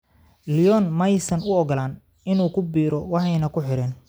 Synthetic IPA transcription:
lijɔnmɐjsɐnʊɔɡɔlaːn | ɪnuːkʰʊbiːɾɔwɑħɑjnɐkʰʊħɪɾɛːn

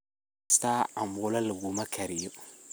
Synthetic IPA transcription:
staambolaləɡumakʰaɾiju

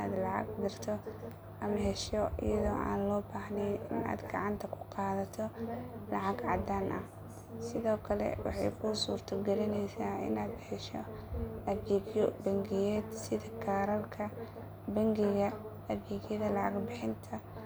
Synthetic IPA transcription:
a̰ːd̪lɑʕɑ̰ɡd̪ɐrt̪ʰɔ | ʔɐmɐɦɛʃɔḭjɐðɔːʔa̰ːnlɔːbaːhnɛjɪna̰ːd̪ɡɑ̰ʕɑnt̪ʰɐkʰʊ̥qɑːðɐt̪ʰɔlɑʕɑɡʕɑd̪aːnʔɐ̰h | sɪðɔːkʰɐlɛ̰wɑ̰ħɑ̰jkʰʊsuːrt̪ʰɐɡɐɾɪnɛjsaːɪ̰naːd̪ħɪʃɔ | ɐfɡiːɡjɔbɐŋɡɪjɛːd̪sɪðɐkʰaːɾɐlkʰɐ | bɐŋɡɪɣɐ | ɐfɡiɡjɐðɐlɑʕɑɡbɪħɪnt̪ʰɐ

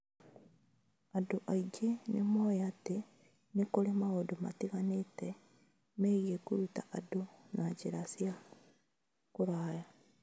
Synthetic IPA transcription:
aduʔaiɟenemoːjate | nikolemaɣodoma̰tiɣanete | meɣekuɾutaʔadonaɟiɾasja | kuɾaːja

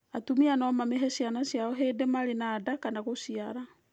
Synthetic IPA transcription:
atumianɔmameɦɛsianasjaɔɦedemaɾenaːdakanaɣoʃiaɾa

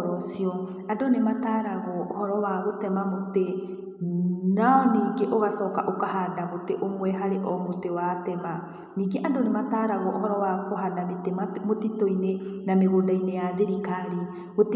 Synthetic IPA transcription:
ɾɔsjɔ | andonemataɾaɣɔːhɔɾɔwaɣotɛmamote | naɔniːŋɡeʔoɣasɔːkaʔokahadamoteʔomwɛɦaɾeʔɔmotewatɛma | niːŋɡeʔandonemataɾaɣɔʔːɦɔɾɔwakoɦanametemotitoinenameɣoːndainejaðeɾikaɾi | ɣot

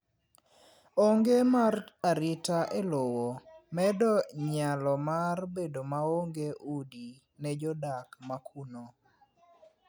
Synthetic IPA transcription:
oŋɡemaraɾɪtaʔelowomɛdɔɲalɔmarbedomaoŋɡeʔudi | nɛd͡ʒɔdakmakʰuno

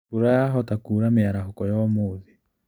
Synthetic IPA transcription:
uɾajaɦɔtakuːɾameaɾaɦɔkɔjɔmoːði

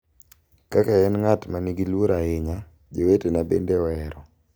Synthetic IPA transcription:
kakaɛnŋatmaniɡilwoɾaɪɲa | d͡ʒowetenabḛndewɛɾɔ

